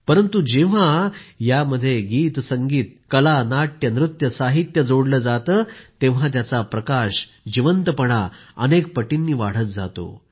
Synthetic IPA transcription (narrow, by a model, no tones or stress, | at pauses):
pəɾənt̪ud͡ʑeʋ̤ajaməd̪ʱːjeɡiːt̪səŋɡiːt̪̚kəlanaʈjənɾut̪jəsaɦit̪jəd͡zoɽləːd͡zat̪əːt̪eʋ̤at̪̬jat͡sapɾəkaɕ | d͡ʑiʋənt̪əpəɽ̃aə̰nek̚pəʈinːiːʋaɽ̤ət̪̚d͡za̰t̪o̰